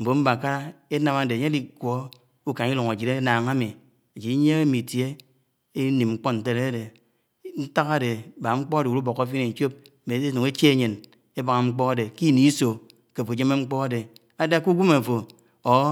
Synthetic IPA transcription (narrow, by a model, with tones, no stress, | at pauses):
m̩˨bo˨m̩˦ba˨ka˦ɾa˦e˦na˨ma˨de˨ɲe˦li˨kʷo˨˦ | u˦ka˨ŋ˦i˦lo˨ŋa˨d͡ʒi˨ɾe˦na˨ŋa˦mi˨ | a˨d͡ʒi˨˦ɲe˦ŋe˦mi˨tje˦ | e˦ni˨m˨ŋ͡m̩˦k͡po˦n̩˨te˦ɾe˦a˦de˨ | n̩˦ta˦ka˦de˨ba˨ŋ͡m̩˦k͡pɔ˦a˦de˨u˨˦u˦bo˨ka˦f̬i˦e˨n̩˨˦t͡ʃo˦p̩̚˨ | be˨˦e˦no˨ŋe˦t͡ʃe˦e˨ɲe˨n | e˦ba˨ŋa˨ŋ͡m̩˦k͡pɔ˦a˦de˨ki˦˨ni˦so˨ | ke˨fo˨d͡ʒe˦me˦ŋ͡m̩˦k͡pɔ˦a˦de˨ | a˦da˦ku˦ɡʷu˦ma˨fo˨ | o˨˦